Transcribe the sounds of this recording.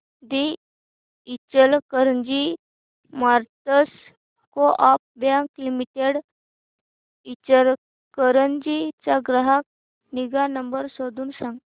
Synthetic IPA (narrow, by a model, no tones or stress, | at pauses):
d̪i | it͡ɕəlkəɾəɲd͡ʑi | maɾt̪əs | koʔap̚bjãŋklimiʈeɽ | it͡ɕəl | kəɾənd͡ʑit͡ɕaɡɾəɦak̚ | niɡanəmbəɾsod̪uːnsãŋɡ